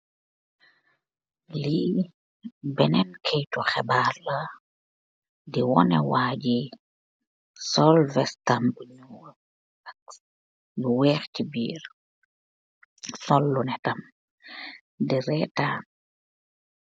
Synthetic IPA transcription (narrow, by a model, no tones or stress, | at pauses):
li | bɛnɛnkʰɛjtuxɛbalɐ | diwɔnɛ̰waɟi | sɔlvɛstambuɲu | ɐk̚ | luwɛːxcibiːɾ | sɔlːunɛtam | diɾɛtaːn